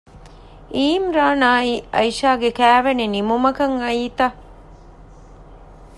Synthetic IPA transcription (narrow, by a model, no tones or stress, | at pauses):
iːmɾaːnaːiɐjʃaːɡekæːʋenenimumɐkɐŋɐiːt̪ɐ